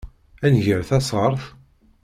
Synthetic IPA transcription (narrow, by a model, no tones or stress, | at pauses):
ænʝəɾθæsˤəɾˤθ